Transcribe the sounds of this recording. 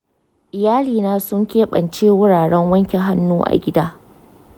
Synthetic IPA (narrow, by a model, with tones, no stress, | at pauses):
ʔɪ˨jaː˦liː˨naː˦sʊ˦ŋkʲeː˦ɓɐ˨nt͡ʃeː˦wʊ˦ɽaː˨ɽɛ˦ŋwɐ˦ŋkʲe˨ɦa˦nːuː˦ʔa̰˨ɡʲɪ˦daː˦